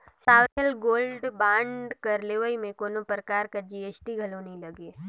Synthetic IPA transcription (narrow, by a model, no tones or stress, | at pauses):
saːʋɾəlɡoːlɖbãːɳɖkɐɾleːʋəimẽkoːnopɾəkaːɾkad͡ʒieːsʈiɡʱɐlonĩlɐɡeː